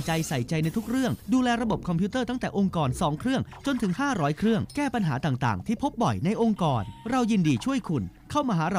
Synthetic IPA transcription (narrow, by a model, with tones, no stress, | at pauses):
t͡ɕa˧jsa˨˩jt͡ɕa˧jna˧jt̪ʰu˦˥k̚ɾɯ˥˩əŋduː˧lɛː˧ɾa˧bo˨˩p̚kʰɔ˧pʰi˦˥t̪ɤː˥˩t̪a˥˩ŋt̪ɛː˨˩ʔo˧ŋkɔː˨˩nsɔː˩˦ŋkʰɾɯ˥˩əŋt͡ɕo˧nt̪ʰɯ˨˩˦ŋɦaː˥˩ɾɔː˦˥jkʰɾɯ˥˩əŋkɛː˥˩pa˧nɦaː˩˦t̪aː˨˩ŋt̪a̰ː˨˩ŋt̪ʰiː˥˩pʰo˦˥p̚bɔ˨˩jna˧jʔo˧ŋkɔː˧nɾa˧wjiː˧ndiː˧t͡ɕʰu˥˩əjkʰu˧nkʰa˥˩wmaː˧ɦaː˩˦˥ɾa˧